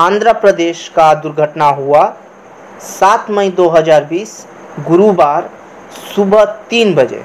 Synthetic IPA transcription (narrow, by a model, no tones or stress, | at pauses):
ãːnd̪ɾəpɾəd̪eːʃkad̪ʊɾɡʱəʈnaɦua | saːt̪məid̪oɦəd͡ʒaːɾbiːs | ɡʊɾubaːɾ | subʱət̪iːnbəd͡ʒḛ